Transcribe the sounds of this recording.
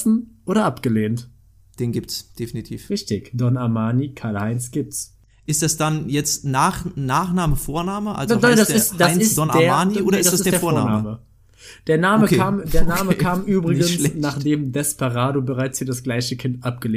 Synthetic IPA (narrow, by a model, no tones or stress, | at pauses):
sn̩ʔoːɾɐʔapɡ̥əleːnt | d̥eːnɡiːp̚tsd̥efinitʰiːfʁɪçtɪçd̥ɔnaɐmaːnikʰaɐlhaɪnsɡ̥iːp̚ts | ʔɪst̚d̥asd̥anjɛt͡stnaːχnaːχnaːməfoːɐnaːməʔa̰lzaasɪsd̥aɪnɪssd̥ɔnḁɐːmaːniʔoːɾɐɪssd̥assd̥eːɐɐfoːɐna̰ːaːməmə | d̥eːɐnaːməkːʰaːmdeːɐnaːməkʰaːmʔyːbʁɪɡənslɛnaːχd̥eːmdɛspaʁaːdobəʁaɪt͡shiːɐdasɡ̥laɪçəkʰɪntʔap̚ɡ̥əleː